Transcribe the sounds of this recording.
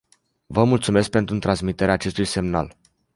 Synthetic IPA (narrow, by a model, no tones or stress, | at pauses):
vəmult̪sume̞sk̚pe̞nt̪ɾut̪ɾansmit̪eɾeaːt͡ʃe̞st̪ujse̞mna̰l